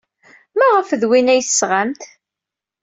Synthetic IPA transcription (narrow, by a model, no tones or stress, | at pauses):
mæʁəfðwinæjθsːʁamt̪